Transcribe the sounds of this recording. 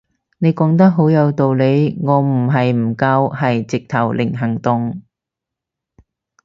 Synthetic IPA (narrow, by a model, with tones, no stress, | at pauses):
ne˨˧jkɔː˨˥ŋt̪ɐ˥k̚ɦo˨˥wjɐ˨˧wt̪o˨wle˨˧jŋɔː˨˧m̩˨˩ɦɐ˨jm̩˨˩kɐ˧whɐ˨jt͡sɪ˨k̚t̪ʰɐ˨˩wlɪ˨˩ŋɦɐ˨˩ŋt̪ʊ˨ŋ